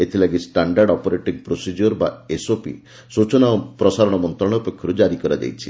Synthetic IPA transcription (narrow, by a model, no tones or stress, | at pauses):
et̪ʰilaɡisʈaɳɖaɾɖɔpɔɾeʈiɡpɾosid͡ʒuɾbaesopḭ | sut͡ʃɔnapɾɔsaɾɔɽ̃ɔmɔnt̪ɾɔɽ̃ɔupekʰːjɔɾud͡ʒaɾikɔɾad͡ʒa̰jt͡ʃʰi